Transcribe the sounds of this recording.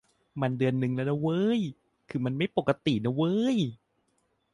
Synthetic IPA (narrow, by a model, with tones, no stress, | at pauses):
ma˧ndɯ˧ənːɯ˨ŋlɛ˦˥na˦˥wɤ˦˥j | kʰɯː˧ma˧nma˥˩jpo˨˩kːa˧t̪i˨˩na˦˥wɤː˦˥j